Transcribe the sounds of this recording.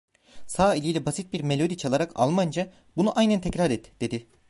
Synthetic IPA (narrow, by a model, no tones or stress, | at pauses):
saːilʲilʲɛbasit̪̚biɾme̞lʲo̞d̪it͡ʃʰalˠaɾaka̰lˠmand͡ʒa | bunuʔajnænt̪ʰɛcɾaɾɛt̪ːd̪̥e̞d̪ɪ